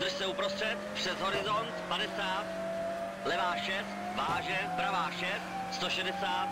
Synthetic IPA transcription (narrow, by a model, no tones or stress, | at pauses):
d̪r̩ʃsɛupɾost̪r̥ɛt̪pr̝̥ɛzɦo̞ɾɪzont̪padɛsaːt̪ | lɛvaːʃɛft̪vaːʒɛbɾavaːʃɛf | st̪oʃɛdɛsaːt̪